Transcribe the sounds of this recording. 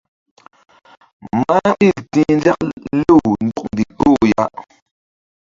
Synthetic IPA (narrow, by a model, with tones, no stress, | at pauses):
ma˦ɓi˦˨ltĩ˦nd͡ʒa˦k̚lu˦˨wndu˦k̚ndi˨ko˦˨ja˦